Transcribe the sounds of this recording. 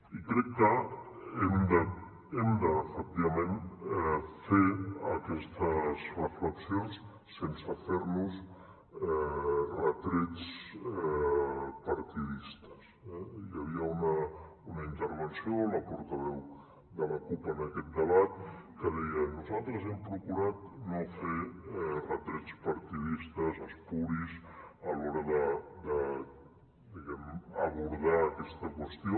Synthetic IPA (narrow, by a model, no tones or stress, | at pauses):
ikɾɛkːə | ɛmd̪ə | ɛmd̪əfək̚t̪iβɐmen | feəkɛst̪əzrəfləksijons | sensəfeɾnus | ɛrət̪ɾet͡s | pəɾt̪iðist̪ə̥sɛjəβ̞iəunə | unəint̪əɾβ̞ənsioləpuɾt̪əβɛw | ðələkupənəkɛt̪̚d̪əβat̪̚ | kəðɛjənuzalˠt̪ɾəzɛmpɾukuɾat̪̚noferət̪ɾet͡spəɾt̪iðist̪əzəspuɾisəlɔɾəðəd̪ə | d̪iɣɛməβ̞uɾðaːkɛst̪əkwəst̪io